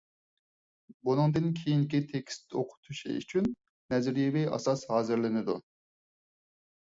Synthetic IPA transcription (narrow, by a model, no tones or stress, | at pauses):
bunɨŋd̪ɨnkʲʰijinkʲit̪ʰekʲst̪oqʰʊ̥t̪ʰuʃḭy̰t͡ʃʰynː | ɛzɾjivijɑ̰sɑshɑːzɨɾlɪnɪd̪u